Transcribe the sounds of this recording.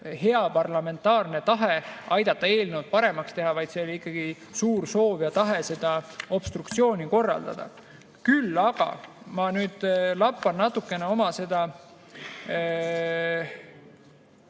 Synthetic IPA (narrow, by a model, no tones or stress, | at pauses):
he̞ɑpɑrlɑme̞nt̪ːˑɑːrne̞t̪ɑɦe̞ɑjd̪ɑt̪ːˑɑe̞ːlnewt̪̚pɑɾe̞mɑkst̪e̞ɦɑvɑjd̪se̞o̞liikˑːɑɡ̥i | suːɾso̞ːvjɑt̪ɑɦe̞se̞d̪̥ɑo̞b̥st̪rukt̪sio̞ːnʲiko̞rːɑ̰ld̪̥ɑ̰d̪̥ɑ̰ | kylːɑɡ̥ɑ̰ | mɑnyːd̪̥lɑpːɑnnɑt̪ːˑukːˑe̞neo̞mɑse̞d̪̥ɑ